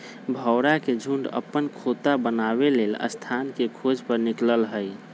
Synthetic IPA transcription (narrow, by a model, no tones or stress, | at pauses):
bʱəwɾaked͡ʒʱuɳɖə̰pːənkʰot̪abənaβelelə̰st̪ʰankekʰod͡ʒpəɾnikləlɦəj